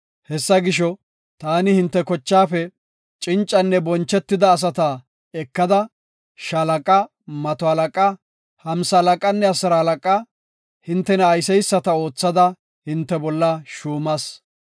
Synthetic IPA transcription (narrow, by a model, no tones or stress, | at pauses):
hɛsːɐɡɪʃɔ | t̪aːnɪhɪnt̪ːɛkɔt͡ʃːaːfɛ | t͡ʃʼɪnt͡ʃʼːɐnːɛbɔnt͡ʃːɛt̪ːɪd̪ɐːs̬ɐt̪ɐ | ɛkːɐd̪ɐ | ʃɐlɐkʼɐ | mɐt̪ɔhɐlɐkʼɐ | hɐmsɐlɐkʼɐnːɛɐsɐɾɐhɐlɐkʼɐ | hɪnt̪ːɛnɐːjsɛjsːɐt̪ɐo̞ːt͡sːɐd̪ɐ | hɪnt̪ːɛbɔlːɐʃuːmɐs